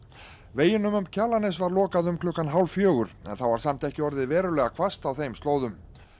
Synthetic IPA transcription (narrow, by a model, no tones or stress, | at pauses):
veːjɪnʏmʏmcʰaːlanɪsvaɾlɔːkaðʏmkʰlʏhkːanɦawlfjœːɣʏɾ̥ɛ̰nθawvaɾ̥sam̥t̪ɛhcɪɔɾðɪðvɛːɾʏlɛːɣakʰvast̪awθejmst̪loːwðʏm